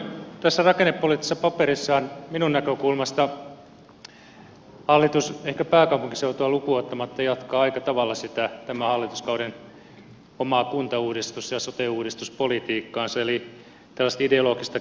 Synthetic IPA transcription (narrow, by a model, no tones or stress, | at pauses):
t̪æsːærɑkenepːolit̪ːi̥sːɑpɑpeɾisːɑːnminunnækøkulmɑst̪ɑ | hɑlːit̪usehkæpæːkɑupuŋki̥seut̪uɑlukuot̪ːɑmɑt̪ːɑjɑt̪kɑːɑikɑt̪ɑʋɑlːɑsit̪æt̪æmæhɑlːit̪uskɑuɾen | omɑkunt̪ɑuːdist̪usjɑsot̪euːdist̪uspolit̪iːkːɑːnsɑeli | t̪ælːæst̪ideolokist̪ɑ